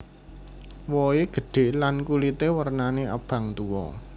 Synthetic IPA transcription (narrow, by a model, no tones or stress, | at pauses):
wɔeɡ̥ə̤ɖ̥e̤lankulit̪ewərnanea̰b̥ä̤ŋt̪uwɔ̰